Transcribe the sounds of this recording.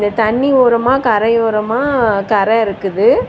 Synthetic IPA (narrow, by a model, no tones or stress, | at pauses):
nd̪ɐt̪ɐɳːiʋoːɾɐmaːkɐɾɐjoːɾɐmaːkɐɾɐɪɾɯkːɯðɯ